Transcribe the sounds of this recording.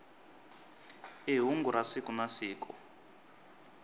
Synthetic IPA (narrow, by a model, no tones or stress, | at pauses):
iɦuŋɡuɾasikunasiːkɔ